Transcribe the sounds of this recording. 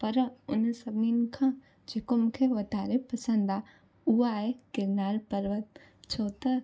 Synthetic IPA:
pɐɾʊnsɐbninkʰã | d͡ʒekomkʰeʋɐt̪aːɾepɐsə̃nd̪aː | uɦaːɦekɪɾnaːlpəɾʋət̪ | t͡ʃʰoːt̪ə

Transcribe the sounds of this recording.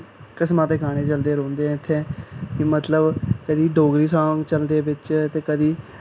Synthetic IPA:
kəsmãːt̪eːkʰaːɽ̃eːt͡ʃəld̪eːɾõːnd̪eːɛ̃ːɪt̪ʰːẽːkɪmət̪ləbkəd̪iːɖoːɡɾiːsaːŋɡt͡ʃəld̪eːbɪt͡ʃt̪eːkəd̪iː

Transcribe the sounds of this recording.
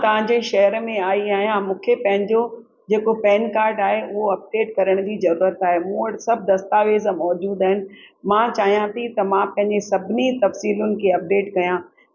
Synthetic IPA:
t̪ɐʋ̤ãɲd͡ʑeʃɐɦəɾmẽaːiaːɦijãmũːkʰepɐ̃ɦɪ̃ɲd͡ʑo | d͡ʑeːkopɛːnkaːɾɖaːɦeʔʊɦoɐp̚ɖeːʈkɐɾəɽ̃d͡ʑiːzɐɾuːɾət̪aːɦemũːəʈsɐb̚ʱd̪ɐst̪aːʋeːzmɔːd͡ʑuːd̪aːɦɪnɪ̆ | mãt͡ɕaːɦijãt̪ʰit̪ɐmãpɐ̃ɦɪ̃ɲd͡ʑesɐbʱɪnit̪ɐfsiːlʊnɪ̆kʰeɐp̚ɖeːʈkɐjã

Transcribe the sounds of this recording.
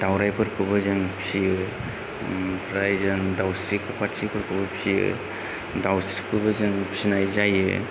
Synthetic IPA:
dawɾajpʰɯɾkʰɯbɯzɯŋpʰsi | pʰɾajzɯŋdawsɾikʰɯpatsipʰɯɾkʰɯbɐpʰiɯ̰ | dawsɾikʰɯbɯzɯŋpʰsinajzajɯ̰

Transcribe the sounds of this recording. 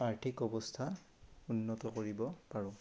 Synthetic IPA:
aɹtʰikɔbɔstʰa | unːɔtɔkoɹibɔpaɹʊ̃

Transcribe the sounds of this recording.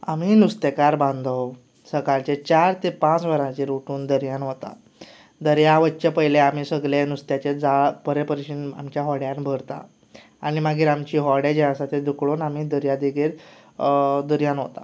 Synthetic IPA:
am̤iːnust̪ekaɾbãnd̪ʱəw | səkalt͡ɕet͡ɕaɾt̪epãt͡sʋəɾãt͡ɕeɾoʈuːnd̪əɾjãnɦot̪a̰ | d̪əɾjaʋətːt͡ɕepəɦjleam̤iːsəɡlenust̪jat͡ɕed͡zaɭpəɾepəɾɕiːna̰mt͡ɕjaɦɔɽjãnbʱəɾt̪a̰ | aɽ̃imaɡiːɾamt͡ɕiːɦɔɽed͡ʑɛãsat̪ed̪ukɭoːnam̤iːd̪əɾjad̪iɡiːɾ | d̪əɾjãnɦot̪a̰

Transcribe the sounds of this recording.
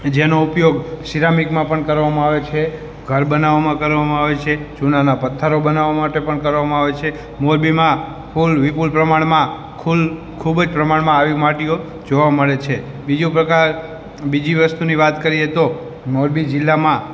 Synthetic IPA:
d͡ʒenoupjoɡsiɾamikmãpəɳkəɾʋamãaʋet͡ʃʰe | ɡʱəɾbənaʋamãkəɾʋamãaʋet͡ʃʰet͡ʃunanapət̪ʰːəɾobənaʋamaʈepəɳkəɾʋamãaʋet͡ʃʰe | moɾbimã | fʰulʋipulpɾəmaɽmã | kʰul | kʰubd͡ʒpɾəmaɽmãːʋimaʈio | d͡ʒoʋaməɭet͡ʃʰe | bid͡ʒũpɾəkaɾ | bid͡ʒiʋəst̪uniʋat̪kəɾiet̪o | moɾbid͡ʒɪlːamã

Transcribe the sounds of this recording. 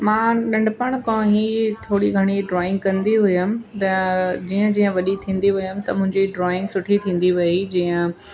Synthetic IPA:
mãːɗɐ̃ɳɖpəɽ̃kɔ̃ːɦit̪ʰoːɽiɡʱɐɽ̃iɖɾɔːɪ̃ŋɡ̚kɐ̃nd̪iɦʊjəmt̪ɐd͡ʑiːə̃d͡ʑiːə̃ʋɐɗit̪ʰĩːnd̪iɦʊjəmɪt̪ɐmʊ̃ɦɪ̃ɲd͡ʑiɖɾɔːɪ̃ŋɡsʊʈʰit̪ʰĩːnd̪iʋɐid͡ʑiːə̃

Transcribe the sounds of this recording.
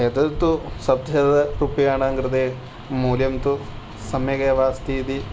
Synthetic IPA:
ed̪ɐt̪usɐbd̪ʱjɐd̪ɐɾupijaːɳaːŋɡɾɨd̪eː | muːljɐmt̪u | sɐmjɐɡɐʋaːst̪iːt̪i

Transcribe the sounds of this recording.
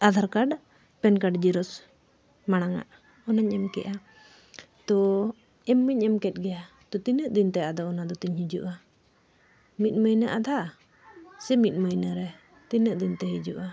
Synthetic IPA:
ad̪ʱaɾkaɖ | pɛnkaɖd͡ʒiɾɔs | maɽ̃aŋa̰ʔ | ɔnaɲɛmkɛ̰ʔa | t̪ɔ | ɛmːiɲɛmkɛt̪̚ɡɛja | t̪ɔt̪inəʔd̪int̪ɛad̪ɔːnad̪ɔt̪iɲhid͡ʒuʔa | mit̪̚məjnəʔad̪ʱa | sɛmit̪̚məjnəɾɛ | t̪inəʔd̪int̪ɛɦid͡ʒuʔa

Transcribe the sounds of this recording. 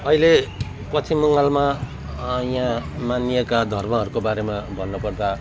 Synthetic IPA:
ʌile | pʌt͡sʰimːuŋalma | jãmanijekad̪ʱʌrmʌɦʌɾukobaɾemabʱʌnːʌpʌrd̪a

